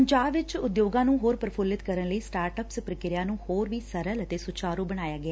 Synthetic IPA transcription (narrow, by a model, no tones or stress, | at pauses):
əɲd͡ʒaːbʋɪt͡ʃʊd̪joːɡãːnũːɦoːɾpəɾəpʰʊlɪt̪kəɾənləiːsʈaːɾʈəpspɾəkɪɾɪjãːnũːhoːɾʋiːsəɾələt̪eːsʊt͡ʃaːɾuːbəɽ̃aːjaːɡɪaː